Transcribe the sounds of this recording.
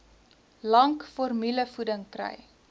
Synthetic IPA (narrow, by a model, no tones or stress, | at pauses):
lɐŋkfɔrmyləfudəŋkrə̰j